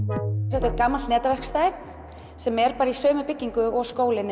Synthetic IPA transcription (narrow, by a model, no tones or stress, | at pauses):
sɛht̪ɪ̥t̪kaːmːalt̪nɛːt̪avɛr̥kst̪aːɪ | sɛmɛɾpaːɾaisœːmʏpɪcːiŋkʏɔɣskoːwlɪn